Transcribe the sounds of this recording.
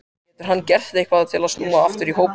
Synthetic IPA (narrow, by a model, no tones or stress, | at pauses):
t̪ʏɾ̥ɦanːcɛr̥t̪ehkvaðat̪ʰɪlast̪uːmaaft̪ʏɾiɦoːwp